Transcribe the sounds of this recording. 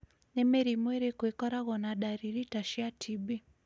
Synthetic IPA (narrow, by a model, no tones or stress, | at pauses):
nɛmɛɾimwɛɾikwɛkɔɾaɣɔnaɗaɾiɾitaʃiatʰibi